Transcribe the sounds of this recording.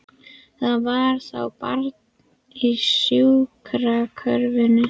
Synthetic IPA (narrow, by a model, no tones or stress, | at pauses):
θaðvaɾ̥θa̰wpaɾt̪n | isjuwkʰɾakʰœɾvɪnʏ